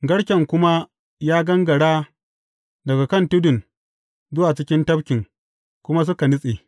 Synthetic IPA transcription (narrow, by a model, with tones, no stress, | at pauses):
ɡɐ˦ɽkʲɛ˨ŋkʷʊ˦ma˦ | jaː˦ɡɐ˦ŋɡɐ˨ɽaː˦ | dɐ˨ɡa˨kɐ˦˨ntʊ˦dʊ˨n | zʊ˦waː˨t͡ʃɪ˦kʲɪ˦ntɐ˦bkʲɪ˨ŋ | kʷʊ˦ma˦s̬ʊ˦ka˨nʊ˦sʼeː˨